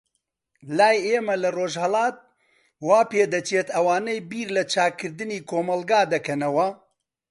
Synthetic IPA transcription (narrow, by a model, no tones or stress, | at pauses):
laːjeːmɐlɐroːʒhɐlˠɑːt̪̚ | waːpeːd̪ɐt͡ʃʰeːt̪ɐwaːnejbiːɾlɐt͡ʃʰaːkkʰːɨɾd̪ɨniːkʰoːmɐlˠɡaːd̪ɐkɐnɐwɐ